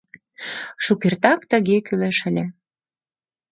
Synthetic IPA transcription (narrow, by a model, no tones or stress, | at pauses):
ʃukert̪ɑkt̪ə̆ɣekyleʃə̆lʲĕ